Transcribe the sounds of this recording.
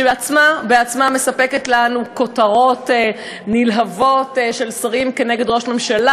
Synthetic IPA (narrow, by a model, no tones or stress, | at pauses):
ʃebeat͡smabeat͡smame̞sape̞ketlanuko̞taʁo̞t | nilɦavo̞tʃe̞lsaʁimke̞neɡe̞dʁo̞ʃme̞mʃala